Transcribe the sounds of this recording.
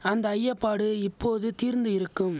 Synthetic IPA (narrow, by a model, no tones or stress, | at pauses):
ɐnd̪ɐːjːɐpːaːɽɯɪpːoːðɯt̪iːɾnd̪ɯjɪɾɯkːɯm